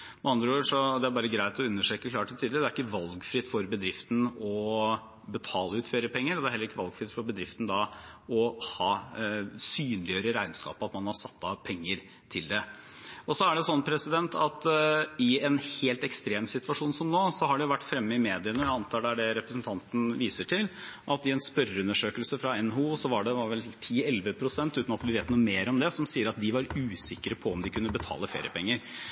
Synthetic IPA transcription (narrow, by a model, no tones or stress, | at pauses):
mɛɑnd̪ɾəoːʂɔd̪ɛæɾbɑːɾəɡɾæɪt̪ɔʉnːəʂʈøːkəkʰlɑːʈːɪlt̪ʰiːd̪ɪɾd̪ɛæɾɪkːəʋɑlɡfɾɪt̪ːfɔɾbəd̪ɾɪft̪n̩ɔ | bɛt̪ʰɑːləʉːt̪føːɾəpɛŋːəɾd̪ɛæɾhɛlːəɪkːəʋɑlɡfɾɪt̪fɔɾbəd̪ɾɪft̪n̩d̪ɑ | ɔhɑː | syːnlɪjøːɾəɾæɪnskɑ̰ːpɑt̪mɑnhɑɾsɑt̪ːɑpʰɛŋːəɾ | t̪ʰɪld̪ɛ | ɔsɔæɖɛsɔnːpʰɾɛsɪd̪ɛnt̪ʰɑt̪ɪɛnheːlt̪ɛkst̪ɾeːmsɪt̪ʋɑʂuːnsɔmnoːsɔhɑɖɛjʊʋæʈːfɾɛmːəɪmeːd̪ɪənəjæɪɑnt̪ʰɑːɖæɖɛɾɛpɾəsnt̪ʰɑnt̪n̩ʋiːsəʈʰɪlʔɑt̪ɪɛnspœɾəʉnːəʂøːkəlsəfɾɑɛnɦuːsɔʋɑɖɛʋɑɾʋɛlt̪ʰiːɛlʋəpʰɾʊsɛnt̪ʉːt̪nɑt̪ʋɪʋeːt̪nuːəmeːɾɔmd̪ɛsɔmsiːəɾɑt̪̚d̪ɪʋɑɾʉːsɪkːəɾəpʰɔɔmd̪ɪkʰʉnːəbət̪ʰɑ̰ːləfḛːɾɪ̰əpʰɛŋːəɾ